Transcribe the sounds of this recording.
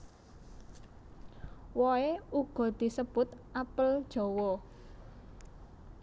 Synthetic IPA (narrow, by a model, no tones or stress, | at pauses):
wɔeuɡ̥ɔ̤d̪̥i̤səb̥ʊt̪ʔapəld̥ʒ̥ɔ̤wɔ